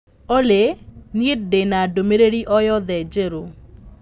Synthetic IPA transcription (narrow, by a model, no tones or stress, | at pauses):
olenɪt̚denadomeɾeɾiʔɔjɔd̪ɛd͡ʒeɾo